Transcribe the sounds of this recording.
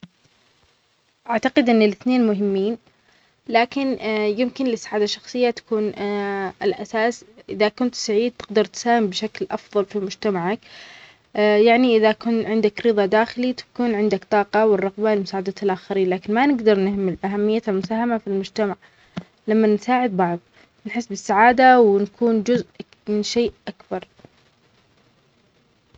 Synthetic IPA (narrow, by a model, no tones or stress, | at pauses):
ʔaʕt̪aqɪd̪ʔɪnːɪlɪθneːnmʊɦɪmːiːn | laːkɪnjɪmkɪnlɪsːaʕaːd̪aʃːɑxsˤɨjːat̪ḁkuːnʔɪlʔasaːsʔɪðakʊnt̪saʕiːd̪̚t̪ɪɡd̪ɑɾˤt̪saːhɪmbʃaklʔɑfðˤɑlfimʊd͡ʒt̪amaʕak | jaʕniʔɪðakʊnʕɪnd̪akɾɨðˤɑd̪aːxɪlit̪ḁkuːnʕɪnd̪akt̪ˤɑːqɑwɪrˤːɑɣbalɪmʊsaːʕad̪aːt̪alʔaxaɾiːnlaːkɪnmanɪɡd̪ɑɾˤnɪhmɪlʔaɦamːɪjːaalmʊsaːhamafilmʊd͡ʒt̪amaʕ | lamːansaːʕɪd̪̚bɑʕðˤ | nħɪsːbɪsːaʕaːd̪awɪnakʰuːnd͡ʒʊzʔ | mɪnʃeːʔʔakbɑɾˤ